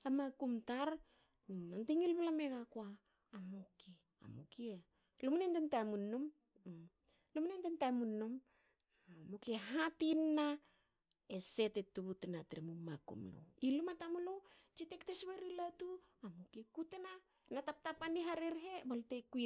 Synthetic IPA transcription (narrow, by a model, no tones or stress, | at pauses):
amakumtaɾ | antiŋilβalame̞ɡakoaː | moki | a̰mukie | lomunendentamunːom | lomnendentamunːom | mokieɦatinːa | ese̞tetuβutenatɾemumakṵmlo̰ilumatamulot͡ʃitektesβeɾilatu | amukiekutena | natap̚tapaniɦaɾeɾɦebalteku